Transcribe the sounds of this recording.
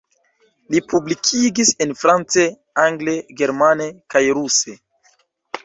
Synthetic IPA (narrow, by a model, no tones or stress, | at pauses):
lipʰublikʰiɡisenfɾant͡se | aŋɡleɡe̞ɾmanekajɾuse